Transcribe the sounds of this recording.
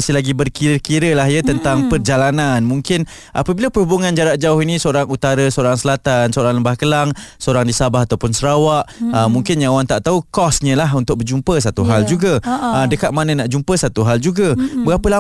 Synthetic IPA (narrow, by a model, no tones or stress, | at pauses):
sɪlaɡibərkiɾəkiɾəlaɦjat̪ənt̪aŋpərd͡ʒalananmũŋkɪn | ʔa̰pəbilapəhubuŋand͡ʒaɾaʔ̚d͡ʒauɦinĩsəoɾaŋut̪aɾasəoɾaŋsəlat̪ansəoɾaŋləmbahkəlaŋsəoɾaŋdisabaɦat̪awpʊnsəɾawaʔəmuŋkɪnɲawant̪aʔt̪aukɔsɲə̃laɦunt̪ʊk̚bərd͡ʒumpəsat̪uɦald͡ʒuɡaədəkat̪̚manə̃naʔd͡ʒumpəsat̪uɦald͡ʒuɡabəɡapəla